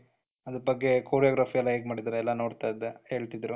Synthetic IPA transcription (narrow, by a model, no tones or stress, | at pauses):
ɐd̪ɾubɐɡːekoːɾijaːɡɾaːfʰiɛlːɐeːɡmaːɽid̪aɾeɛlːɐno̞ːɽt̪ajid̪ːeheːɭt̪id̪ɾu